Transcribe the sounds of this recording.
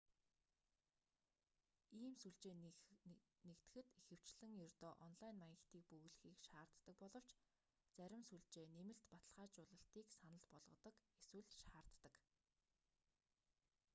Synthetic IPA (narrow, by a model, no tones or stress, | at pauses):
iːmsuɮt͡ɕeː | nekt̪ɘ̆xɘ̆t̪exɘ̆w̥t͡ɕɮɘ̆ŋjɵrʲt̪ɔːʔɔnɮajnmajə̆kt̪iːk̚pɵɣɮɘxiːkʃaːrt̪ːə̆k̚pɔɮɞ̆w̥t͡ɕ | t͡sæɾʲɪ̆msuɮt͡ɕeːnemɘ̆ɬt̪pat̪ə̆ɮʁaːt͡ɕʊːɮə̆ɬt̪iːksanə̆ɮpɔɮʁɞ̆t̪ɞ̆keswɘ̆ɮʃaːr̥t̪ːə̆k